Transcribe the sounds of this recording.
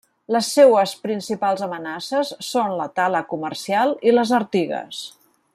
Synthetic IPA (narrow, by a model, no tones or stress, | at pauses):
ləsːewəspɾinsipalˠzəmənasəsːonlə̰t̪aləkuməɾsialˠiləzəɾt̪iɣə̰s